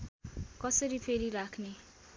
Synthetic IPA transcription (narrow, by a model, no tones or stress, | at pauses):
kʌsʌɾipʰeɾiɾakʰne